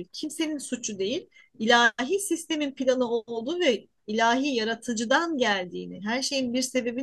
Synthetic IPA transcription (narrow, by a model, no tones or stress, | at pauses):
cʰimse̞ninsut͡ʃʰud̪e̞jilʲ | ilʲaɦiːsist̪ʰe̞minpʰilʲanɯo̞lˠd̪uːvɛ | ilʲaːɦiːjaɾat̪ʰɯd͡ʒɯd̪anɟælʲd̪ḭːniɦæɾʃe̞jinbiɾse̞be̞bi